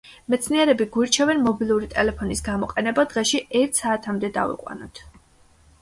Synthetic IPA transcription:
mɛt̪sʰniɛɾɛbiɡuiɾt͡ʃʰɛvɛnmɔbilˠuɾit̪ʼɛlɛpʰɔnisɡamɔqʼɛnɛbad̪̥ʁɛʃiɛɾt̪ʰsaːt̪ʰamd̪ɛd̪a̰vḭqʼwa̰nɔ̰t̪ʰ

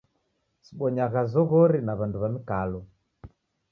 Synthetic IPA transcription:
siɓɔɲaɣazɔɣɔɾinaβanduβamikalɔ

